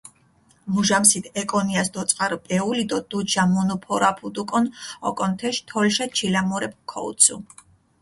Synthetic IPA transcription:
muʒamsit̪ʰɛkʼɔniasd̪ɔt̪sʼqʼaɾɔpʼɛulid̪ɔd̪̥ut͡ʃʰamunupʰɔɾapʰud̪ukʼɔnɔ̰kʼɔnt̪ʰɛʃt̪ʰɔlʃat͡ʃʰilamuɾɛp̚kʰɔ̰ṵt̪sʰṵ

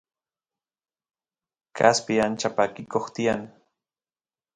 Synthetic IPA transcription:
kʰa̰spiant͡ʃapakɪkoχt̪iaŋ

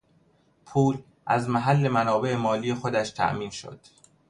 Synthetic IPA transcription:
pʰuːl | ʔæzmæɦælːe̞mænɒːbe̞ʔemɒːliːje̞xo̞d̪æʃt̪ʰæ̰ʔmiːnʃo̰d̪̥

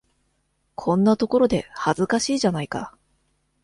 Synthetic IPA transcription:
kʰõ̞nːat̪o̞ko̞ɾo̞d̪e̞hazɨkaɕiːʑanaika̰

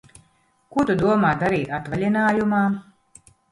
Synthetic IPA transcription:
kut̪ud̪uɔmaːd̪aɾiːt̪at̪valʲinaːjumaː

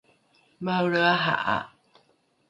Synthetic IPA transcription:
maɾəaɦa̰ʔa̰

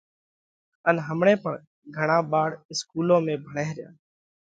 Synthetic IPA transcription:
ənɦəmɳeːpəɳ | ɡʱəɽ̃ãːɓaːɽɪskuːlõːmẽːbʱəɳeːɦɾɪjã̰ː

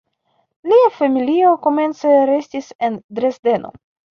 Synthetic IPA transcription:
liafamilio̞ko̞me̞nt͡seɾe̞stise̞ndɾe̞sde̞nʔo̞̰

